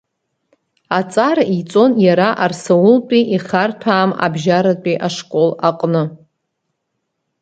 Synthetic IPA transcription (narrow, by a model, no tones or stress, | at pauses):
at͡sʼarit͡sʼo̞njaɾaʔarsawʊlpʼiʔiχartʷʰaːma̰bʒaɾatʼiʔaʂkʼo̞laqʼnɨ